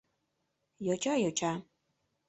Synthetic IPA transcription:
jɔt͡ʃʰʼajɔt͡ʃʰa

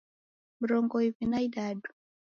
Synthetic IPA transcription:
m̩ɾɔŋɡɔivinaidadu̥

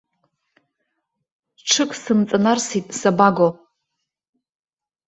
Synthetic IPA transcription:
ʈ͡ʂʰɨkʼsɨmt͡sʼanarsitʼsabaɡo

